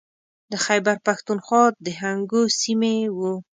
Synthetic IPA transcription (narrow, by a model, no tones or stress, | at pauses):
d̪əxajbaɾpaxt̪unxwɑd̪əɦaŋɡosimewu